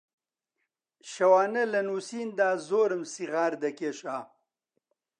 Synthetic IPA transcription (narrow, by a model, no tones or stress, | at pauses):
ɕɐwaːnɐlɐnuːsiːnd̪aːzoːɾɐmsiʁaːɾd̪ɐkeɕaː